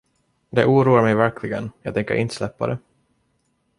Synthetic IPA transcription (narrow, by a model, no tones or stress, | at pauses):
d̪ɛʔuːɾuːaɾmɛjvæɾkʰlɪɡənjɑːɡ̚t̪ɛŋkə̰ɾɪnt̪ə̥slɛpːa̰d̪ɛ